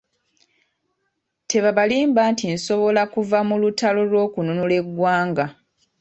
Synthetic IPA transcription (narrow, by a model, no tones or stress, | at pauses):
te̞βaβaliːmbaːntinso̞βo̞lakuvamulutalo̞lwo̞ːkununule̞ɡwaːŋɡa